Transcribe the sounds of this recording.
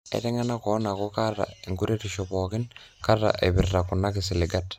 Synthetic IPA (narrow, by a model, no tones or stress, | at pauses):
ɛ̰tɛŋanakɔnakokara̰iŋɡuɾetiʃɔpɔkɪnkarːa̰ʔebɪrːakunːakɪs̬ɪlɪɡat